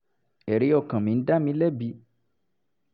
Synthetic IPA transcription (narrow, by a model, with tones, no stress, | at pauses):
ɛ˨ɾe˨˦ɔ˦˧˨kã˨mĩ˨˦n̩˦da˦mĩ˧˦lɛ˦bi˧˦